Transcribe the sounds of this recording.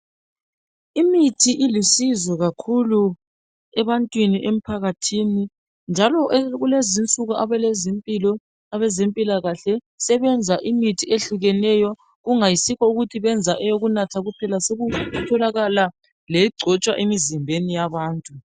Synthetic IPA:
imitʰiʔilisizɔɣakʰulu | ɛβantʼwiniʔem̩pʰaɣatʰiːni | nd͡ʒʱalɔʔɣulezint͡sʼuɣuʔaβɛlɛzimpʼilɔ | aβɛzempʼilaɣaɬɛ | sɛβɛnd͡zʱaʔimitʰieɬuɣɛnɛjɔ | ɣuŋajisikɔuɣutʰiβɛnd͡zʱaʔɛjoɣunatʰaɣupʰɛlaseɣutʰɔlaɣala | leiɡ͡ǀʱɔt͡ʃʼwaʔemizimbʱenijaβaːntʼu

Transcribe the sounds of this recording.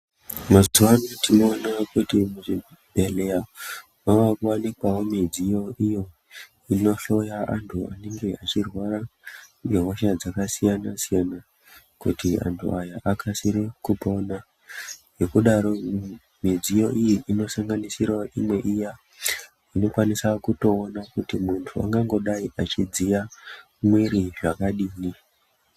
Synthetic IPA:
mazuanotino̞ːnakutimuʐi | bʱe̞leja | mawakuwanikwawo̞mid͡zijo̞ijo̞ | ino̞ɬo̞jaʔantʰuaneŋɡe̞at͡ʃirwaɾa | eɦoʃad͡zakasijanasijana | kutia̰ntʰṵajaʔakʰasiɾikupo̞na | je̞kuɗaɾo̞ | mid͡zijo̞ʔijiʔino̞saŋɡanisirwaimwe̞ʔija | ino̞kwanisakuto̞ːnakutimuntʰua̰ŋɡaŋɡo̞ɗaiʔat͡ʃid͡zija | mwiɾiʐakaɗiːni

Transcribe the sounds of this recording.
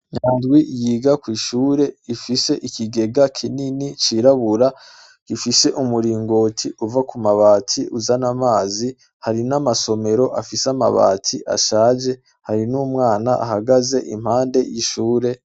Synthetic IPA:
ɲaːndɡwijiːɡakwiːʃuːɾe̞ifise̞ʔikʰiɡe̞ɡakʰininit͡ʃiɾaβuɾa | ifise̞ʔumuɾiːŋɡo̞ːtʰiuvakumaβaːtʰiʔuzanamaːzi | haɾinamaso̞me̞ɾo̞ʔafisama̰βa̰ːtʰiʔa̰ʃaːd͡ʒe̞ | haɾinuːmŋaːnaʔa̰ɦaɡaze̞ʔḭm̥haːnde̞jiʃuːɾe̞

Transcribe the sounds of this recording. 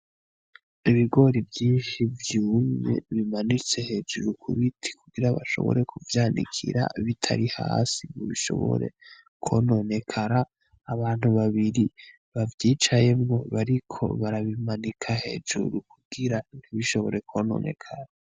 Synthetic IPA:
iβiɡo̞ɾivjiːnʃivjuːmɲḛβimanit͡se̞he̞d͡ʒuɾukʰṵβitʰi̥kuɡiɾaβaʃo̞̰βo̰ɾe̞kʰuvjaːndḭkʰḭɾa̰βitʰa̰ɾiha̰ːsimoβiʃo̞̰βo̰ɾe̞̰ | kʰo̰no̞ne̞kʰaɾaː | βaːn̥huβaβiɾi | βavjiːt͡ʃaje̞mŋo̞βaɾikʰo̞̰βaɾaβimanikʰahe̞̰d͡ʒṵɾukʰuɡ̥iɾan̥hiβiʃo̞βo̞̰ɾe̞kʰono̞̰ːne̞̰kʰaɾa

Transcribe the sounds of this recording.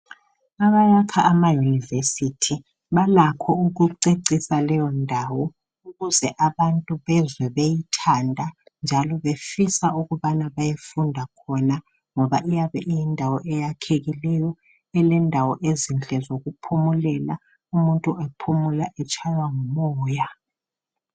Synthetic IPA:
aβajakʰaʔːmajunivesitʰi | βalakʰɔuɣuǀeǀisalɛjɔndʱawɔ | uɣuzɛʔaβantʼuβɛzwɛβejitʰandʱand͡ʒʱalɔβefisauɣuβanaβajefundʱakʰɔna | ŋɔβaʔijaβɛʔijindʱawɔʔɛjakʰeɣilɛjɔ | ɛlɛndʱawɔʔezint͡ɬʼɛzoɣupʰumulɛla | umuntʼuʔɛpʰumulaʔɛt͡ʃʰʼajwaŋumɔːja

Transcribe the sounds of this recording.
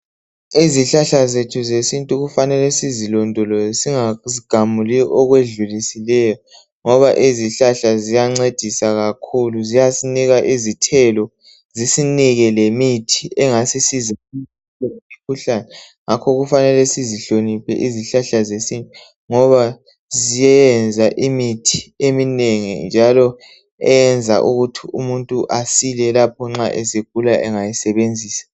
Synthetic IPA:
iziɬaɬazetʰuzesintʼuɣufanɛlɛsizilɔndʼʱɔlɔsiŋaziɡ̥ʱamuliʔɔɣweɮulisilɛjɔ | ŋɔβaʔiziɬaɬazijaŋ͡ǀed̥ʱisaɣakʰuluzijasiniɣaʔizitʰɛlɔ | zisiniɣɛlemitʰiɛŋasisizii | tʼɔemikʰuɬanɛ | ŋakʰɔɣufanɛlɛsiziɬonipʰɛ̰ʔiziɬaɬazesinʼɛ | ŋɔβa | zijɛjɛnd͡zʱaʔimitʰi̥emineŋḭnd͡ʒʱalɔ | ɛjɛnd͡zʱa̰ʔuɣutʰiumuntʼuʔasilɛlap̚ʰɔŋ͡ǁaʔeseɡ̥ʱulaʔɛ̰ŋajisɛβend͡zʱiːsḁ

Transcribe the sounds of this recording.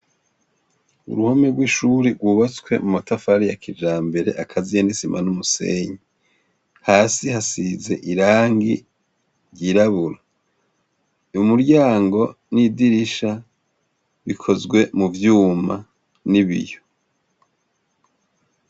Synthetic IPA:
ṵɾuhomeɡwiʃuɾiɡwuːβat͡swe̞mumatafaɾijakʰid͡ʒaːmbe̞ɾe̞̰ʔakʰazijanisima̰numusḛɲi | haːsihasize̞̰ʔiɾaːŋɡḭ | ɾjɟiɾaβuɾa | umuɾɟaːŋɡo̞ | nidiɾiʃa | βikʰo̞zɡwe̞muvjuːma | niβḭjo̞

